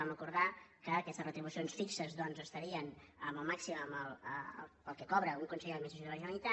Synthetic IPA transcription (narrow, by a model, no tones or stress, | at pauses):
amrəkuɾðakəːkɛst̪əsrət̪ɾiβusionsfiksəzðɔnzəst̪əɾiənəməlˠmaksiməməl̰ˠpəlˠkɛkɔβɾəuŋkunsəjemes̬usit̪uaʒəmit̪a